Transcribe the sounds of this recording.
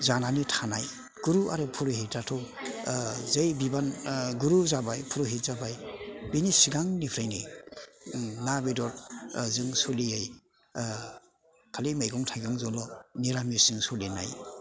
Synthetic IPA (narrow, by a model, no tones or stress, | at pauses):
zananitʰanaj | ɡ̥uɾuaɾɯpʰuɾɔhitatʰɔ | zajbibanɡuɾuzabajpʰuɾɔɦitzabajbinisiɡaŋnipʰɾajni | nabidɔɾzɯŋsɔliaj | kʰalimajɡɔŋtʰajɡɔŋzɔlɔniɾamisɯŋsɔlina̰j